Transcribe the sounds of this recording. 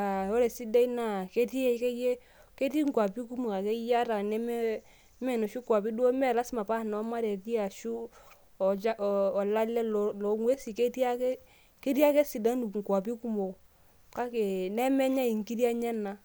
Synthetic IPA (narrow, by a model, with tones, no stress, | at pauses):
a˨o˦ɾɛ˨si˦da˦i˦na˦˨ke˦ti˦ke˦je˦ | ke˦ti˦ŋkwa˨pi˦ku˦mo˨ka˨kɛ˦ja˦ɾa˨nɛ˦mɛ˦ | mɛ˨nɔ˨ʃu˦kwa˨pi˦du˦o˦mɛ˦˨la˦sma˨pa˦˨nɔ˨˦ma˦ɾɛ˨ti˦a˨ʃu˦˨ | t͡ʃaː˦˨la˦lːɛ˦llɔ˨ŋwe˦si˨ke˦ti˦a˦kɛ˦ | ke˦ɾja˦kɛ˦si˨da˦nu˨ŋ˨kwa˨pi˦ku˦mo˨ | ka˦ke˨nɛ˦mɛ˦ɲa˦i˨ŋki˦dja˦ɲɛ˦na˨